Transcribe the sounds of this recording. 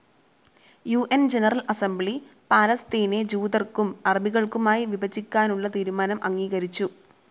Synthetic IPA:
juːʔend͡ʑenɐrɐlɐsembɭipaːlɐst̪iːned͡ʑuːd̪ɐrkumɐrɐbiɣɐɭkumaːjiʋibɐt͡ɕːikʲːaːnuɭːɐt̪iːɾumaːnɐmʔɐŋːiːɣɐɾit͡ɕːu

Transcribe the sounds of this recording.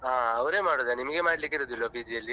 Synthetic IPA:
ɦaːɐʋɐɾe̞ːmaːɽod̪enimɐɡemaːɽlikːiɾod̪uilːobiːt̪ijɐlːi

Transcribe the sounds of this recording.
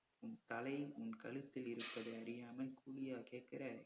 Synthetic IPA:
ʊnt̪ɐlɐɪʊnkɐɭɯt̪ːɪlɪɾɯpːɐðɐɐɾɪjaːmɐlkʰuːlɪjaːkeːrkɪɾaːɾ

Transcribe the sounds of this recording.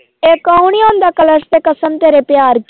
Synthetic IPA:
eːkəuɳiõːnd̪aːkələɾst̪eːkəsəmt̪eːɾeːpɪjaːɾk

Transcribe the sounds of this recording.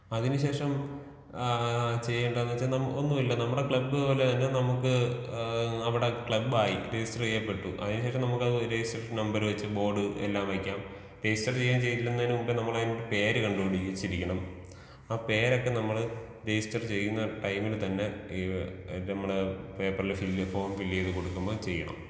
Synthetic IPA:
ɐðinuɕe̞ːʂɐm | t͡ɕe̞jːeɳɖɐnːuʋɐt͡ɕːaːnɐmonːumilːonɐmːuɽe̞kɭɐbːɨpoːlet̪ɐnːenɐmukːɨ | ɐʋiɽe̞kɭɐbːaːjiɾejistɐrt͡ɕejːɐpːe̞ʈːuʔɐ̰ðinuɕ̬eːʂɐmnɐmukːɐðɨɾejistɐrnɐmbɐɾʋɐt͡ɕːɨbo̞ːɖɨḛlːaːmʋɐkʲːaːm | ɾejistɐrt͡ɕe̞jːaːmt͡ɕe̞jːt̪ilːenːɐnɨubɐnɐmːɐɭɐðiniʈːɨpe̞ːɾɨkɐɳɖukoɳɖiɕiɾikʲːɐɳɐm | aːpe̞ːɾo̞kːe̞nɐmːɐɭɾejistɐrt͡ɕe̞jːunːɐʈɐjmilt̪ɐnːe̞ | nɐmːɐɽepe̞ːpːɐrilfilːfo̞ːɳfilːjejðɨko̞ɽukːumboːt͡ɕe̞jːɐɳɐ̰m

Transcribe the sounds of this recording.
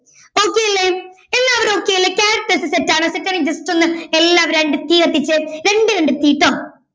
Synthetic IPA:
oːkːeːjilːe | elːaːɐʋɐɾo̞ːkːeːjilːekʲaːɾɐʈːɐsɨsetːaːɳɨsetːaːnid͡ʑɐsʈonːɨelːaːɐʋɐɾeɳɖɨt̪iːɣɐt̪ːit͡ɕːɨɾe̞ɳɖɨɾeɳɖɨt̪iːʈːoː

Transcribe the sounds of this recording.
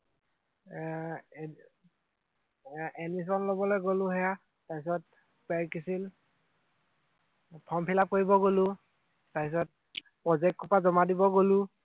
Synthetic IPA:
enis̬ɔnlobɔlojɡolʊɦɛja | tapis̬ɔt̚ | pɛɹkisil | pʰɔmpʰilap̚koɹibɔɡolʊ | tapis̬ɔt̚ | pɹɔzɛk̚t̚kʰɔpazɔmadibɔɡolʊ

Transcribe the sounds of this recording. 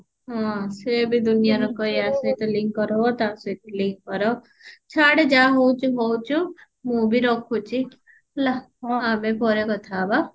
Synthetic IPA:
ɦɔ̃sebʱid̪unijaɾɔkɔɦiasɔjt̪ɔliŋkːɔɾɔot̪asɔjt̪ɔliŋkːɔɾɔ | t͡ʃʰaɽed͡ʒaɦowt͡ʃʰuɦowt͡ʃʰu | mũbʱiɾɔkʰut͡ʃʰi | laɦɔamepɔɾekɔt̪ʰaba

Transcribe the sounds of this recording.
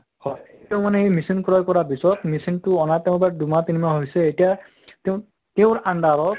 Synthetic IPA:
hɔtɛʊ̃manɛejmisinkɔɹɔjkɔɹabisɔtmisintʊɔnatɛʊ̃badumatinimaɦojsɛejtija | teʊ̃ | teʊ̃ɹandaɹɔ

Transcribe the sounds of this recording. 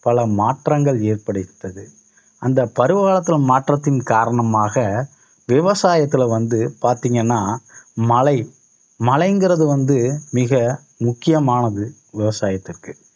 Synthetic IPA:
pɐlɐmaːʈrɐŋɡɐɭeːrpɐɽɯt̪ːɐðɯ | ɐnd̪ɐpɐɾɯʋɣaːlɐt̪ːɪlmaːʈrɐt̪ːɪnkaːɾɐɳɐmaːɣɐ | ʋɪʋɐsaːjɐt̪ːɪlʋɐnd̪ɯpaːɾt̪iːŋɡɐnːaːmɐlɐɪ | mɐlɐɪŋɡɪɾɐðɯʋɐnd̪ɯmɪɣɐ | mʊkːɪjɐmaːnɐðɯ | ʋɪʋɐsaːjɐt̪ːɪrkɯ̥

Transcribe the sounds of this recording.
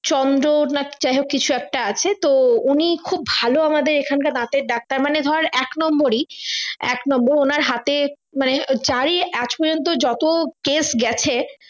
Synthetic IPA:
t͡ɕɔnd̪ɾonat͡ɕaɦokit͡ɕʰuɛk̚ʈaat͡ɕʰet̪ounikʰub̚ːʱaloamad̪eɾekʰankad̪ãt̪eɾɖak̚t̪aɾmaned̪ʱɔɾaɾɛknɔmboɾiɛ̰knɔmboɾonaɾɦat̪e | maned͡ʑaɾiʔat͡ɕpɔɾd͡ʑont̪̬od͡ʑɔt̪okesɡɛt͡ɕʰe

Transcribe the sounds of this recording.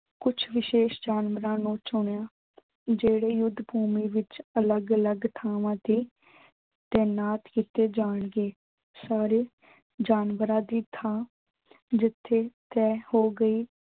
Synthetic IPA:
kʊt͡ʃʰʋɪʃeːʃd͡ʒaːnʋəɾãːnũːt͡ʃʊɳjãː | d͡ʒeːɽeːjʊd̪ːbʱuːmiːʋɪt͡ʃələɡələɡt̪ʰaːʋãːd̪iː | t̪eːnaːt̪kiːt̪eːd͡ʒaːɳɡeː | saːɾeː | d͡ʒaːnʋəɾãːd̪iːt̪ʰaː | d͡ʒɪt̪ʰːeːt̪ɛːhoːɡəiː

